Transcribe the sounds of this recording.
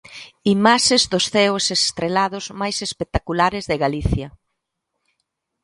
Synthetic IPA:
imaʃezðʊsθɛʊsest̪ɾelaðʊzmajsespek̚t̪akulaɾɪzðɪɣaliθjɐ

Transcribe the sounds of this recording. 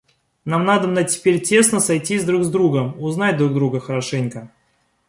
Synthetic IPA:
namnad̪əbnətʲɪ̥pʲeɾʲtʲe̞snəsajtʲizʲd̪ɾuɡzd̪ɾuɡəmʊznatʲd̪ɾuɡ̚d̪ɾuɡəxəɾɐʂɛnʲkə

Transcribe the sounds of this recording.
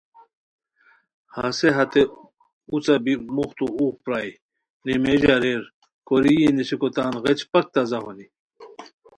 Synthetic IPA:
haseɦɐt̪e | ut͡sɐbimuxt̪uuːk̚pɾaːj | nimeʑaɾeɾ | koɾijenisikot̪aːnɣet͡ɕpɐk̚t̪ɐzɐɦoni

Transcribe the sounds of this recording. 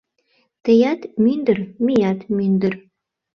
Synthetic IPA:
t̪ɘ̆jɑt̪mynd̪ɘrmijɑt̪mynd̪ɘ̆r

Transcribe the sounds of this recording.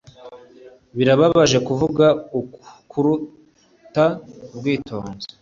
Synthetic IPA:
βiɾaβaβaʒe̞kuvuɡaukʰuɾu | tabɡiːtʰo̞̰ːnze̥

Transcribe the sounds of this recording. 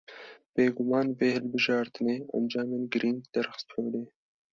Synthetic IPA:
b̥eːɡʊmɑːnveːhɨlbɨʒɑːɾt̪ɨneːo̰md͡ʒɑːmenɡɨɾiːnɡd̪̥ɛɾxɨ̥st̪ʰhoːd̪eː

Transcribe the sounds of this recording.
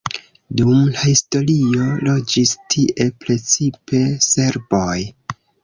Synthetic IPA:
dumlahisto̞lio̞lo̞d͡ʒistʰiʔe̞pɾe̞t͡sipe̞se̞ɾboj

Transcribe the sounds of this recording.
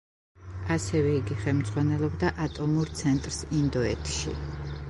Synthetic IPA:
asɛvɛiɡiχɛlmd̪zʼʁwanɛlˠɔbd̪aʔat̪ʼɔmuɾt̪sʰɛnt̪ʼɾsind̪ɔɛt̪ʰʃḭ

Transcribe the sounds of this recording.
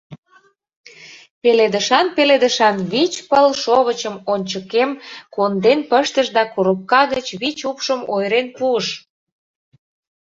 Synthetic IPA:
peled̪əʃɑnpeled̪əʃɑnβit͡ɕpəlʃoβət͡ɕəmonʲt͡ɕəkemkond̪enpəʃt̪əʃd̪ɑkuɾup̚kɑɣət͡ɕβit͡ɕupʃəmojɾenpuəʃ

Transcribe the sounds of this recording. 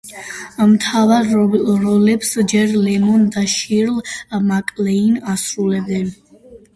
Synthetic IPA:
mt̪ʰavaɾɾɔlɛpsd͡ʒɛɾlɛmɔnd̪aʃiɾlmakʼlɛinasɾulɛb̚d̪ɛn

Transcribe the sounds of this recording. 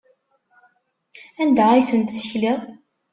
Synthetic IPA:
ænd̪ʁajθənt̪θə̥çliʁˤ

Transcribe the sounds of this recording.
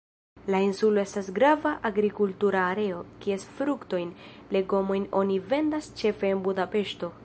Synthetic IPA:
lainsulo̞e̞stasɡɾavaʔaɡɾikultuɾaːɾe̞o̞kie̞sfɾukto̞jnle̞ɡo̞mo̞jno̞nive̞ndast͡ʃe̞fe̞ːnbudape̞ʃto̞

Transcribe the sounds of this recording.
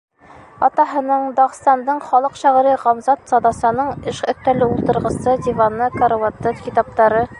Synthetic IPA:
ɒt̪ɑɦɤ̆nɤɴd̪ɒʁ̆st̪ɑnd̪ɤɴχɒlˠɤqɕæʁɾiʁɒmzɑt̪sɒd̪ɑsɑnɤɴɘʃɵ̆t̪ːælɘulˠt̪ɤ̆ɾʁɤ̆sɤd̪ivanɤkoɾwat̪ːɤfkʲit̪ɑp̚t̪ɑɾɤ

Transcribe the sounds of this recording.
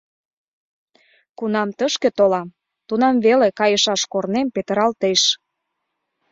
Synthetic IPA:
kunɑmt̪əʃket̪olɑm | t̪unɑmvelekɑjəʃɑʃkornempet̪əɾɑlt̪eʃ

